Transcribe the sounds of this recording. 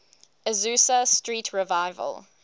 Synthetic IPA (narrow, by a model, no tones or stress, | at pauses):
əzʉːsəstɹiːˑtʰɹɪvaɪvə̰l